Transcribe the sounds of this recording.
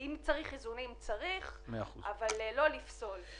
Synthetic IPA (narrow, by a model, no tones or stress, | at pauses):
imt͡saʁiχizunimt͡saʁiχmeaua̰vallo̞lifso̞l